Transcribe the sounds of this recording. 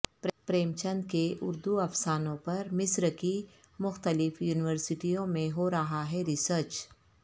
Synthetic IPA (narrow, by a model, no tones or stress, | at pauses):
pɾpɾeːmt͡ʃə̃nd̪keʔʊɾd̪uɐfsaːnõpɐɾmɪsɾki | mʊxt̪əlɪfjuːnɪʋəɾsɪʈijõmẽɦoɾɐɦaɦɛɾɪsəɾt͡ʃ